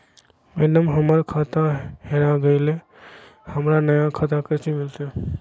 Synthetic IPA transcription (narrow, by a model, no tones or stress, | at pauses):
menəmɦəməɾkʰat̪aheɾaɡəɪle | həmɾanəjãkʰat̪akət͡ʃimilt̪e